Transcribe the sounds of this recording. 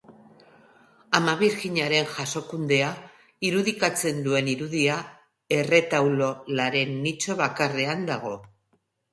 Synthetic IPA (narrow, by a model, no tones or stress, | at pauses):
amaβiɾɣiɲaɾe̞nʝaso̞kund̪e̞a | iɾuðikat͡se̞nd̪ue̞niɾuðia | e̞re̞t̪awlo̞laɾe̞nːit͡so̞βakare̞and̪aɣ̞o̞